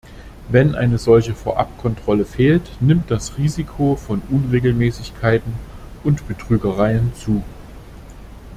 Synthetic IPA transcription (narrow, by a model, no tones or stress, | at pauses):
vɛnʔa̰ɪnəzɔlçəfoːɐʔa̰p̚kʰɔntʁ̥ɔləfeːltnɪmt̚d̥asʁiːzikʰofɔnʔʊnʁeːɡl̩mɛːsɪçkʰaɪtn̩ | ʔʊntb̥ətʁ̥yːɡəʁaɪənt͡suː